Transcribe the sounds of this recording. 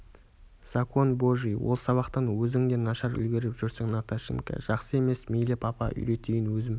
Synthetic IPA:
sakonboʒijwolˠsɑβɑqt̪ɑnwɵzɪŋd̪e̞nɑʃɑɾʏ̰lɡʲeɾɪpʒʏɾsɪŋnat̪aʃɪ̰ŋka̰ʒ̥ɑqsəe̞me̞smijlɪpɑpɑ̰ʔʏ̰jɾe̞t̪ejɪnwɵzɪm

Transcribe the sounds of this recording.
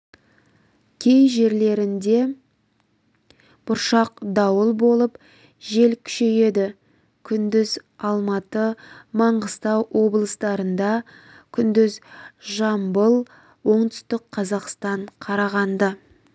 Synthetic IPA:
kʲʰe̞jʒe̞ɾle̞ɾɪnd̪e̞ | b̥ʊɾʃɑq̚d̪ɑwəlˠbo̞lˠəp | ʒe̞lkʲʰʏ̥ʃe̞je̞d̪ɪ | kʲʰʏnd̪ɪzɑlˠmɑt̪əmɑɴʁəst̪ɑwwo̞blˠəst̪ɑɾənd̪ɑ | kʲʰʏnd̪ɪzʒɑmbəlˠ | wo̞ɴd̪ʏst̪ɪkqʰːɑzɑqst̪ɑɴqʰɑɾɑʁɑnd̪ə

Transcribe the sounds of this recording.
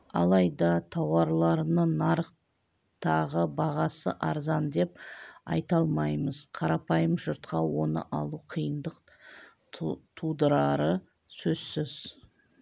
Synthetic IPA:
ɑ̰lˠɑjd̪ɑt̪ʰɑwɑɾlˠɑɾnənɑɾəq | t̪ɑʁəbɑʁɑsə̰ʔɑɾzɑnd̪e̞p̚ɑ̰jt̪ɑlˠmɑjməz̥qʰɑɾɑpɑjəmʒʊɾt̪̚qɑwo̞nə̰ʔɑ̰lˠuqʰijənd̪əq | t̪ʰud̪əɾɑɾə | sɵz̥sɪz̥

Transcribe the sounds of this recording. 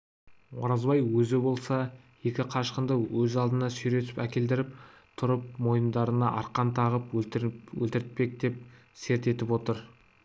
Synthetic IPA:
woɾɑzbɑjwɵzɪbo̞lˠsɑ | je̞kʲɪqʰɑʃqənd̪əwɵzɑlˠd̪ənɑsʏjɾe̞t̪ɪ̥pækʲe̞ld̪ɪɾɪp̚ | t̪ʰʊɾəp̚mo̞jəmd̪ɑɾənɑʔɑ̰ɾqɑnt̪ʰɑʁəpwɵ̰lt̪ɪɾt̪̚pe̞k̚d̪e̞p̚ | se̞ɾt̪e̞t̪ɪpwo̞t̪əɾ

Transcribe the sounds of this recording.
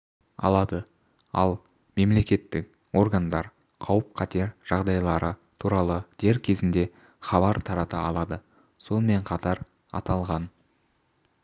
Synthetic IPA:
ɑ̰lˠɑd̪ə | ɑ̰lˠ | me̞mle̞kʲe̞t̪ːɪk | o̞ɾɡand̪ɑɾ | qʰɑwəp̚qʰɑt̪e̞ɾʒ̥ɑʁd̪ɑjlˠɑɾət̪ʰuɾɑlˠəd̪̥e̞ɾkʲʰe̞zɪnd̪e̞ | χɑβɑɾt̪ʰɑɾɑt̪əɑlˠɑd̪ə | so̞nəme̞ɴqʰɑt̪ɑɾ | ɑ̰t̪ɑlˠʁɑn

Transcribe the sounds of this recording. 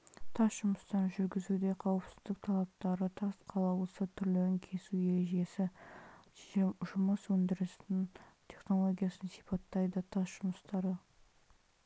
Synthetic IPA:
t̪ʰɑsʒʊməst̪ɑɾəʒʏɾɡʲɪzud̪e̞qʰɑwəpsɪ̥zd̪ɪk̚t̪ʰɑlˠɑp̚t̪ɑɾət̪ʰɑsqʰɑlˠɑwˠəsət̪ʰʏɾlɪɪŋkʲʰe̞sujeɾeʒe̞sɪ | ʒʊməswɵnd̪ɪɾɪst̪ɪnt̪ʲʰe̞χno̞lˠo̞ɡʲijɑsənsipʰɑt̪ːɑjd̪ət̪ʰɑsʒ̥ʊməst̪ɑɾə

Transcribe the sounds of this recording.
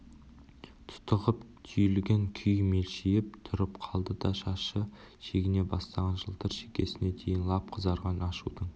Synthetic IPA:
t̪ʰʊ̥t̪əʁəp | t̪ʰʏjlɡʲeŋkʲʰʏjme̞lʃejɪp̚t̪ʰʊɾəpqʰɑlˠd̪əd̪ɑʃɑʃə | ʃe̞ɡʲɪne̞bɑst̪ɑʁɑnʒəlˠt̪əɾʃekʲe̞sɪne̞d̪ʰe̞jɪnlˠɑp̚qʰəzɑɾʁɑnɑʃud̪əɴ

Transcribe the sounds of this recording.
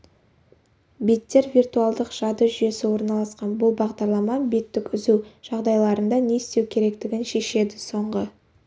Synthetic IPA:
bet̪ːe̞ɾvʲirt̪uɑlˠd̪əqʒ̥ɑd̪əʒʏje̞sɪwo̞ɾnɑlˠɑsqɑnbʊlˠbɑʁd̪ɑɾlˠɑmɑbe̞t̪ːɪkʲʏzuʒ̥ɑʁd̪ɑjlˠɑɾənd̪ɑne̞st̪e̞wkʲʰe̞ɾe̞kt̪ɪɡʲɪnʃe̞ʃe̞d̪ɪso̞ɴʁə

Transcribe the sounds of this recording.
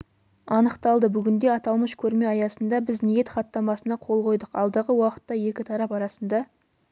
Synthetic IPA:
ɑnəqt̪ɑlˠd̪əbʏɡʲɪnd̪e̞ɑt̪ɑlˠməʃkʲʰɵɾme̞ɑjɑsənd̪ɑbɪznije̞t̪χɑt̪ːɑmɑsənɑqʰo̞lˠqʰo̞jd̪əqɑlˠd̪ɑʁəwɑqə̥t̪ːɑje̞kʲɪt̪ʰɑɾɑpɑɾɑsənd̪ɑ

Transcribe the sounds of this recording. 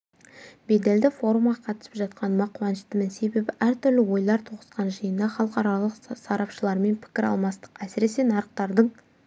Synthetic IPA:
be̞d̪e̞ld̪ɪfo̞ɾumʁɑqʰɑt̪ə̥sɪ̥pʒɑt̪̚qʰɑnmɑqʰwɑnəʃt̪əmɪnse̞be̞bɪʔæɾt̪ʰʏɾlɪwo̞jlˠɑɾt̪ʰoʁəsqɑnʒəjənd̪ɑχɑlˠəqɑɾɑlˠəqsɑɾɑpʃəlˠɑɾme̞npʰɪ̥kʲɪɾɑ̰lˠmɑst̪ə̥qæsɪɾe̞se̞nɑɾəq̚t̪ɑɾd̪əɴ

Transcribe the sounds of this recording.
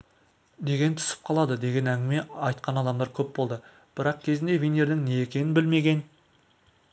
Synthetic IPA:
ne̞ɡʲe̞nt̪ʰʏ̥sɪ̥p̚qʰɑlˠɑd̪əd̪e̞ɡʲe̞næŋɡʲɪme̞ɑjt̪̚qʰɑnɑd̪ɑmd̪ɑɾkʲʰɵp̚bo̞lˠd̪ə | b̥ɪɾɑqkʲʰe̞zɪnd̪e̞vʲene̞ɾd̪ɪŋne̞ekʲe̞nɪnbɪlme̞ɡʲe̞n

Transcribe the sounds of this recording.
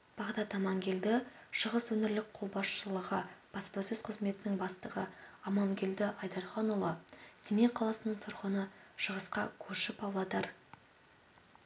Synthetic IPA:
b̥ɑʁd̪ɑt̪ɑmɑŋɡʲe̞ld̪ɪʃəʁəswɵnɪɾlɪk̚qʰo̞lˠbɑsʃəlˠəʁəb̥ɑspɑsɵzqʰəzme̞t̪ɪnɪŋbɑst̪əʁə̰ɑmɑŋɡʲe̞ld̪ɪʔɑjd̪ɑɾχɑnulˠɑsemeqʰɑlˠɑsənəɴt̪ʰʊɾʁənəʃəʁəsqɑkʲʰɵɾʃɪpɑwlˠɑd̪ɑɾ

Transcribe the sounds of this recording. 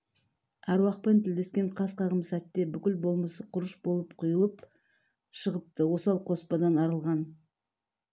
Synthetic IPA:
æɾwɑq̚pent̪ʰɪld̪e̞skʲe̞ɴqʰɑsqʰɑʁəmsæt̪ːe̞bʏkʲɪlbo̞lˠməsəqʰʊɾəʃbo̞lˠəpqʰʊjəlˠəp̚ | ʃəʁəp̚t̪əwo̞sɑlˠqʰo̞spɑd̪ɑnɑɾəlˠʁɑn

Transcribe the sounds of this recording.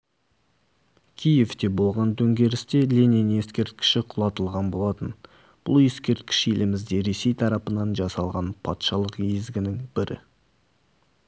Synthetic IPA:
kʲʰije̞ft̪e̞bo̞lˠʁɑnd̪ʰɵŋɡʲe̞ɾɪst̪e̞lʲeninje̞skʲe̞ɾt̪kʲɪ̥ʃɪqʰʊlˠɑt̪əlˠʁɑnbo̞lˠɑt̪ən | b̥ʊ̰lˠje̞skʲe̞ɾt̪kʲɪ̥ʃe̞lɪmɪzd̪e̞ɾe̞se̞jt̪ʰɑɾɑpənɑnʒɑsɑlˠʁɑnpʰɑ̰t̪ʃɑlˠəqezɡʲɪnɪŋbɪɾʔɪ̰

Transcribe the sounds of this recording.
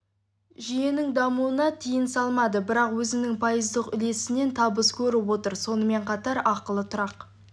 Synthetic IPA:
ʒije̞nɪŋd̪ɑmuwənɑt̪ʰijɪnsɑlˠmɑd̪əbɪɾɑqwɵzɪnɪŋpʰojəzd̪əqʏle̞sɪne̞nt̪ʰɑbəskʲʰɵɾɪwo̞t̪əɾso̞nəme̞ɴqʰɑt̪ɑɾɑqəlˠət̪ʰʊɾɑq

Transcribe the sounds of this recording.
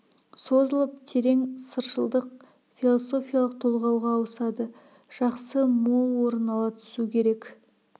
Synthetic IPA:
so̞zəlˠəpt̪ʰe̞ɾe̞ŋsəɾʃəlˠd̪əq̚ | filˠoso̞fijalˠəq̚t̪ʰo̞lˠʁɑwʁɑːwəsɑd̪ə | ʒ̥ɑqsəmo̞lˠwo̞ɾənɑlˠɑt̪ʰʏ̥sukʲʰe̞ɾe̞k

